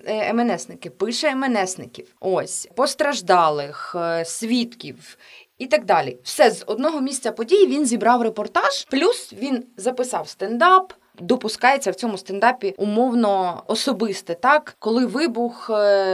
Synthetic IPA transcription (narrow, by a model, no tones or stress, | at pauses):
ɛmɛnɛsnɪkɪpɪʃɛːmɛnɛsnɪ̰kʲiwosʲpɔst̪ɾɐʒd̪ɑlˠɪxsʲʋʲit̪kʲiw | it̪ɑɡ̚d̪ɑlʲḭwsɛzɔd̪nɔɦɔmʲisʲt̪ʲt͡sʲɐpɔdʲijiʋʲinzʲibɾɑwrepɔrt̪ɑʒ̥plʲusʋʲinzɐpɪsɑwst̪end̪ɑp | d̪ɔpʊskɑjet͡sʲːɐwt͡sʲɔmʊst̪end̪ɑpʲiʊmɔwnɔɔsɔbɪst̪ɛt̪ɑkkɔlˠɪʋɪbʊx